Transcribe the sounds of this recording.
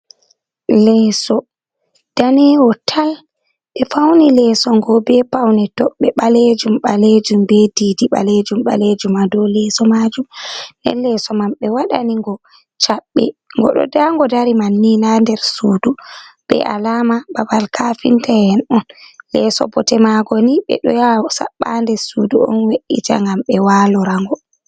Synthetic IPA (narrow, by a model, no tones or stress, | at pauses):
lɛːsɔ | d̥anɛwɔtʰal | ɓɛfawnilɛːsɔŋɡɔbɛpawnɛtɔɓɛɓaled͡ʒumɓaled͡ʒumbediːdiɓa̰led͡ʒumɓa̰led͡ʒumadɔlɛːsɔmad͡ʒumndɛ̰nlɛsɔmamɓɛwaɗa̰niŋɡɔ | t͡ʃaɓːɛ̰ŋɡɔ̰ɗɔ̰daŋɡɔdaɾimanːinandɛɾsuːduɓ̥ɛ̰ʔa̰lamababalkʰafintajɛnɔnlɛsɔ̰bɔtɛmaɡɔniɓɛ̰ɗɔjasa̰ɓːandɛsuduɔ̰nweɗita̰ŋɡamɓɛwaːlɔɾaŋɡɔ